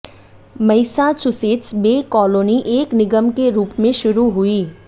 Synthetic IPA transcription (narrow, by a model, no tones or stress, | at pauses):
mɐɪsat͡ʃʊseːtsbeːkɔːloːniʔeːknɪɡəmkeɾuːpmẽʃʊɾuɦʊiː